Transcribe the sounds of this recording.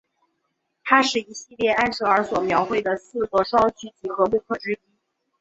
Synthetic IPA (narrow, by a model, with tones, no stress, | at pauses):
t̪ʰa˥ʂɻ̩˥˩i˧˥ɕi˥˧ljɛ˥˧a˥nʂɤ˧˥ə˞˧˥swɔ˨˩mjɑ˧˥ʊxwe˥˩ɪd̪ə˩sɹ̩˥˩kɤ˥˩ʂwɑ˥ŋt͡ɕʰy˧˥t͡ɕi˧˥˩xɤ˧˥mu˥˧kʰɤ˥˩ʈ͡ʂɻ̩˥pi˥